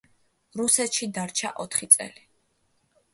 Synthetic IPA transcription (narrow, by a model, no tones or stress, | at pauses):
ɾusɛt̪ʃid̪aɾt͡ʃʰa̰ʔɔt̪ʰχit̪sʼɛ̰li